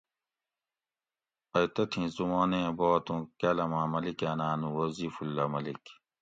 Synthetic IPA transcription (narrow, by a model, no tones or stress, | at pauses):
ɐjt̪ɐt̪ʰĩzumaːnẽboːt̪ũkalɐmãːmɐlikeːnaːnũwɐziːfulːɐmɐlik